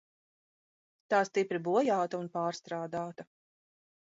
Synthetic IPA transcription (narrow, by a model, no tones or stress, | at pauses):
t̪aːst̪ipɾibuɔjaːt̪ɐunpaːɾst̪ɾaːd̪aːt̪ɐ